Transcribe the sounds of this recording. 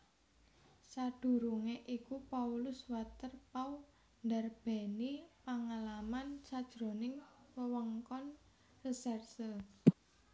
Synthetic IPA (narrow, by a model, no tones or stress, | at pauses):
sad̥ṳɾuŋeʔikupaulʊswat̪ərpau | nd̪arb̥ɛ̤nipaŋalamansad̥ʒ̥ɾo̤nɪŋwəwɔŋkɔn | rəsɛrsə